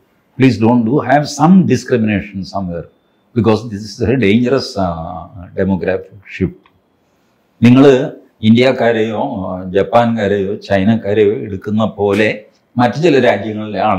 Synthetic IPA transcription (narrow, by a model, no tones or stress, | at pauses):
pɭiːs̬ɖõːɳɖuhæʋsɐmɖiskɾimineːʂɐnsɐmweːr | b̥ikoːsd̪isisɐɖeːɲd͡ʑɐɾɐs | ɖemoːɡɾaːfikʂifʈ | niŋːɐɭɨ | indijakːaːɾejoːd͡ʑɐpːaːnkaːɾejo̞ːt͡ɕɐjnɐkːaːɾejoeɽukːunːɐpo̞ːle̞ | mɐtːɐt͡ɕilɐɾaːd͡ʑjɐŋːɐɭilaːɳ